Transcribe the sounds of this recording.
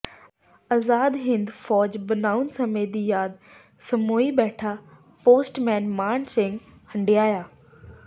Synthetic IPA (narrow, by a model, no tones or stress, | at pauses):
ɐzaːd̪ɦɪ̃nd̪fɔːd͡ʑbɐnaːʊnsɐmeːd̪iːjaːd̪ | sɐmoːibɛːʈʰa | poːsʈmɛ̃ːnmaːɳ̃sẽŋɡ | hɐ̃ɳɖijaːjaː